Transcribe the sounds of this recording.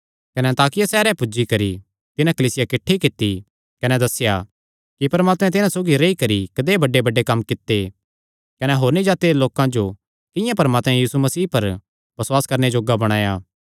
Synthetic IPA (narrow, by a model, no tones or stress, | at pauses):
kɐnɛɐnt̪aːkɪjasɛːɾɛ̃pʊd͡ʒikɐɾi | t̪ɪnãkɐliːsɪjakɪʈʰːikɪt̪ːi | kɐnɛd̪ɐsːɪja | kipɐɾmaːt̪mɛ̃t̪̬ɪnãsoːɡiɾɐikɐɾikɐd̪ebɐɖebɐɖːekɐmːkɪt̪ːe | kɐnɛɦoːɾnĩd͡ʒaːt̪eloːkãd͡ʒo | kɪ̃jãpɐɾmaːt̪mɛ̃jiːsumɐsiːpɐɾ | bɐswaːskɐɾned͡ʒoːɡabɐɽ̃aːjaː